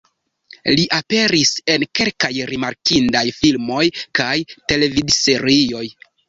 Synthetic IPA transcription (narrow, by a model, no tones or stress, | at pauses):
liʔape̞ɾise̞nke̞lkajɾimaɾkindajfilmo̞jkajte̞le̞vidse̞ɾio̞j